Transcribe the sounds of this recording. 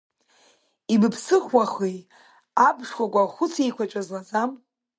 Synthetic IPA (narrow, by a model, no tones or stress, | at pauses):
ibɨpʰsɨχʷwaχi | abʂkʷakʷʼaχʷʊt͡sʰejkʷʰat͡ʃʷʼazlazam